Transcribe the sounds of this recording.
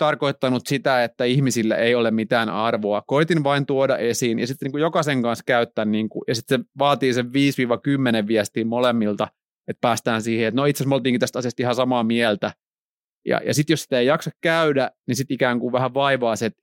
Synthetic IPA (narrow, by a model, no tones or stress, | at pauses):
t̪ɑrkoit̪ːɑnut̪sit̪æet̪ːæihmisilːæ̰ʔeiolemmit̪æːnɑrʋoɑkoit̪inʋɑint̪uodɑ̰ʔesiːnjɑ̰sit̪ːniːŋkujokɑseŋkɑnskæyt̪ːænniːŋkṵjɑsit̪seʋɑːt̪iːseʋʋiːsʋiːʋɑkymːeneʋʋiɛst̪iːmmolemːilt̪ɑ | et̪̚pæːst̪æːnsiːheet̪noit̪sesmolt̪iːŋkit̪æst̪ɑsiɑst̪ihɑsɑmɑːmiælt̪æ | jɑ̰jɑ̰sit̪josi̥t̪æeijɑksɑkkæydænisit̪ikæːŋkuʋʋæhæʋʋɑiʋɑːset̪